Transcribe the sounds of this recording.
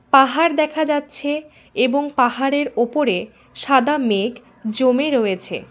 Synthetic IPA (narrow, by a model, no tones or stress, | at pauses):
paɦaɾd̪ɛkʰad͡ʑatːɕʰe | eboŋpaɦaɾeɾopoɾe | ʃad̪amek | d͡ʑomeɾoet͡ɕʰḛ